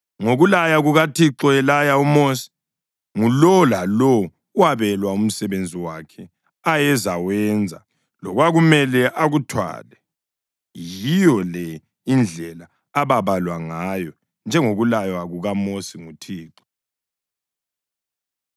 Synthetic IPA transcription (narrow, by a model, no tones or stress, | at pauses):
ŋoɣulajaɣuɣatʰiǁɔɛlajaumosi̥ | ŋulɔlalɔ | uwaβɛlwaum̩sɛβend͡zʱiwakʰɛ | ajɛzawɛnd͡zʱa̰ | lɔ̰ɣwaɣumɛlɛʔaɣutʰwa̰ːlɛ | jijɔlɛ | ind͡ɮʱɛlaː | βaβalwaŋajɔ | nd͡ʒʱɛŋoɣulajaɣuɣamosiŋutʰiːǁɔ